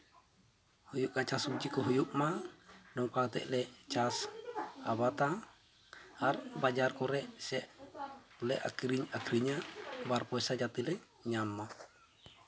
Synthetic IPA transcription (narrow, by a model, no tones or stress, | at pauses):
hujuʔkat͡ʃasud͡ʒikɔɦujuʔmadɔŋpat̪ɛ̰ʔlɛt͡ʃasaβat̪a | arbad͡ʒarkɔɾɛʔsɛʔ | ulɛʔa̰kiɾiɲakɾiɲabarpɔɛsad͡ʒat̪ilɛ | ɲamːa